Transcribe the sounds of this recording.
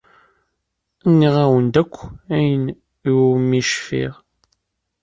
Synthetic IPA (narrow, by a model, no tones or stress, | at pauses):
nːiʁæwənd̪ækʷːæjən | iwmːiʃfḭʁ